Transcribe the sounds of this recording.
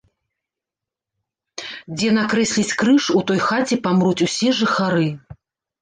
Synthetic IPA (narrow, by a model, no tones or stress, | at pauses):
d͡zʲɛnakɾɛsʲlʲit͡sʲkɾɨʂut̪ɔjxat͡sʲɛpamɾut͡sʲusʲɛʐɨxaɾɨ